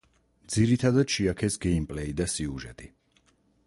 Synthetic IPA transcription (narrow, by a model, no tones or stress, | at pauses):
d̪ziɾit̪ʰad̪ad̪ʃiakʰɛsɡɛimpʼlɛid̪asiuʒɛt̪ʼi